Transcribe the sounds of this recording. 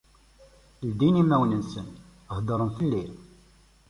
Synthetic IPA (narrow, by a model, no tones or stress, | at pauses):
ld̪inimːæwnənsən | əhd̪əɾˤənθəlːi